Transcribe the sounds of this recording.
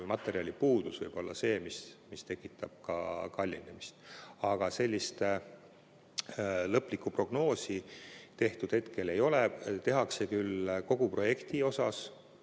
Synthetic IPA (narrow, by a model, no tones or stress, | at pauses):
mɑt̪ːˑe̞ɾiɑlʲipuːd̪̥usvɤjb̥o̞lːɑ̰se̞ːmismist̪e̞kːˑit̪ˑːɑb̥̚kɑ̰kɑlʲːinemist̪ɑɡ̥ɑse̞lʲːist̪ | lɤpːˑlikˑːupro̞ɡ̥no̞ːsit̪e̞ht̪ud̪̥he̞t̪ke̞le̞jo̞let̪e̞ɦɑkse̞kylko̞ɡ̥upro̞je̞kt̪io̞sɑs